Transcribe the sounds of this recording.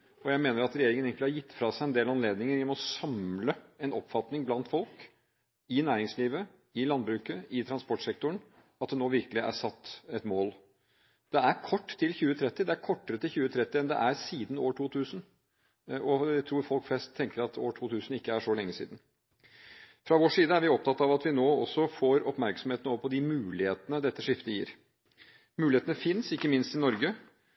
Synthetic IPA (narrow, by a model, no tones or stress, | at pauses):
ɔjæɪmeːnəɾɑt̪ɾɛjeːɾɪŋəneːɡŋklhɑɾjɪt̪ːfɾɑsæɪɛnd̪eːlɑnleːd̪nɪŋəɾɪɔmɔsɑmləɛnɔpːfɑt̪nɪŋblɑnt̪fɔlk | ɪnæːɾɪŋsliːʋə | ɪlɑnd̪bɾʉːkəɪt̪ʰɾɑnspɔʈsɛkt̪ʊɳ | ɑt̪̚d̪ɛnoːʋɪɾkəlɪʔæ̰sɑt̪ːɛt̪moːl | d̪̥ɛæɾkʰɔʈːt̪ʰːɪlçʉːət̪ʰɾɛt̪ːɪd̪ɛæɾkʰɔʈːəɾət̪ɪlçʉːət̪ʰɾɛt̪ːɪɛnd̪ɛ̰ʔæɾsiːd̪n̩oːʈʰuːt̪ʰʉːsn̩ | ʔɔt̪ʰɾuːɾfɔlkflɛst̪ʰːɛŋkəɾɑt̪ʰo̰ːʈʰuːt̪ʰʉːsn̩ɪkːəæʂɔlɛŋːəsḭːd̪n̩ | fɾɑʋoʂiːd̪əæɾʋɪɔp̚t̪ʰɑt̪ːɑɑʋɑt̪ʋɪnoːɔsːɔfoɾɔpmæɾksɔmheːt̪n̩ɔʋəpɔd̪ɪmʉːlɪheːt̪ənəd̪ɛt̪ːəʂɪft̪əjḭːɾ | mʉːlɪheːt̪nəfɪnsɪkːəmɪnst̪ɪnɔɾɡə